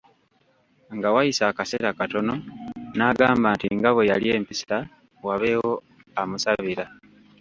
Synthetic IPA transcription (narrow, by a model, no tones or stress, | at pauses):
ŋɡawajisakase̞ɾakato̞no̞naːɡaːmbaːntiŋɡaβwe̞jalie̞ːmpisa | waβe̞ːwo̞ | amusaβiɾa